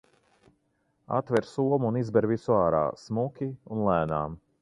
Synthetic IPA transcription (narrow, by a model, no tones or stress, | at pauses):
a̰t̪vɛɾsuɔmunizbɛɾvisuaːɾa̰ːsmukʲiunlˠæːna̰ːm